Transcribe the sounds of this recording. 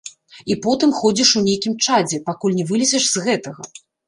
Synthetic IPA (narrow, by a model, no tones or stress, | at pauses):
ipɔt̪ɨmxɔd͡zʲiʂunʲejkʲimt͡ʂad͡zʲɛpakulʲnʲɛvɨlʲɛzʲɛʂz̥ɣɛt̪ɐɣɐ